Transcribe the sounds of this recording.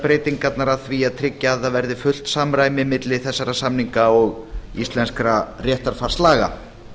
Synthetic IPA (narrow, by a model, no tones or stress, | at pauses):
pɾeːjt̪iŋkat̪naɾaðθviaðt̪ʰɾɪcːaːðavɛɾðɪfʏl̥t̪samɾaːjmɪmɪt̪lɪθɛsːaɾasamniŋkaɔɣist̪lɛnskɾarjɛht̪aɾ̥far̥slaːɣa̰